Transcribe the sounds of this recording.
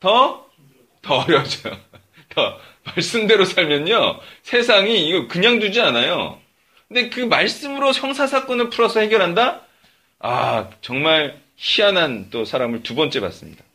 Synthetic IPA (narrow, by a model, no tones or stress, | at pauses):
tʌ | tʌʌɾjʌd͡ʑojo | tʌ | maɭs͈ɯmde̞ɾosʰaɭmjʌɲosʰe̞sʰaŋiːɡʌkɯɲaŋdud͡ʑianajo̰ | kɯnde̞kɯmaɭs͈ɯmɯɾoçjʌŋsʰasʰak͈ʌnɯɭpʰuɾʌsʰʌhe̞ɡjʌɾɦanda | a̰t͡ɕʌŋmaɭ | ɕianant͈osʰaɾamɯɭtubʌnt͡ɕ͈e̞pa̰s͈ɯmɲḭda